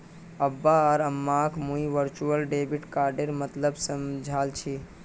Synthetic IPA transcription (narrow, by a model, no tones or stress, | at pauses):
əbːaɔːɾəmːakʰmũiʋəɾt͡ʃuəlɖeːbiʈkaːɾɖeɾmət̪ləbsəmd͡ʒʱaːlt͡ʃʰi